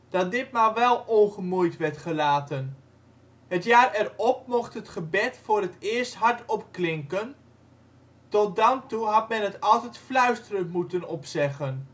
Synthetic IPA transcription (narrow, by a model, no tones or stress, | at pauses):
d̥ɑt̚dɪt̚maʋɛlˠoχəmujtʋɛɹtχəlaːtən | ɦətjaːɾɛrɔp̚mɔχtɦətχəbɛtfʊːrətɪːəɹstɦɑɹtɔpklɪŋkən | tɔt̚dɑntuɦɑtmɛnɦətɑlˠtɛtflœɥstərəntmutənɔpsɛχən